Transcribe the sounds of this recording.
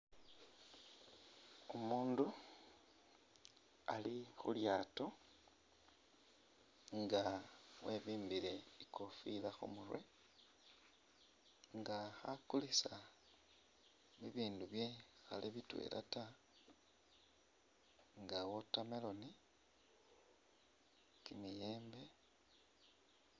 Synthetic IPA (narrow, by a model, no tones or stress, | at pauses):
o̞muːndu | alixṵljaːto | ŋɡawe̞βiːmbiɾe̞ikofilaxo̰muɾwḛ | ŋɡaxakulisa | βiβiːnduβje̞xaleβitwḛlʔa̰ta | ŋɡawotamelo̞ni | kimijeːmbe̞